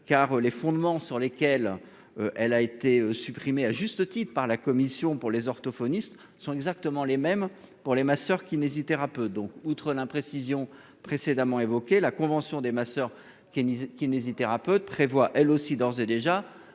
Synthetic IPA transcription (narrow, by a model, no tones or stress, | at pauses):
kaʁølefɔ̃d̪mɑ̃syʁlekʲɛl | øʔɛlaet̪eøsypχimeaʒyst̪ət̪it̪χəpaʁlakɔmisjɔ̃puʁlezɔʁt̪ɔfɔnist̪ | sɔ̃ɛɡzak̚t̪əmɑ̃lemɛmpuʁlemasœʁkʲinezit̪eʁapøt̪̚d̪ɔ̃kut̪χəlɛ̃pχesizjɔ̃ | pχesed̪amɑ̃evɔkʲelakɔ̃vɑ̃sjɔ̃d̪emasœʁ | k̪kʲinezit̪eʁapøt̪̚pχevwaʔɛlosid̪ɔʁzed̪eʒa